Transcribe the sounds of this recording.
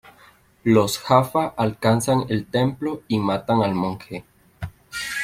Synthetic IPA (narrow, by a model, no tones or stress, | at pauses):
losxafaʔalkansanelt̪emploimat̪aŋalmõŋxe